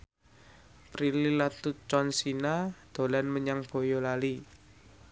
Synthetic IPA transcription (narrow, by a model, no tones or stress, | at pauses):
pɾililat̪ut͡ʃɔnsinad̪̥o̤lanməɲaŋb̥o̤jɔlali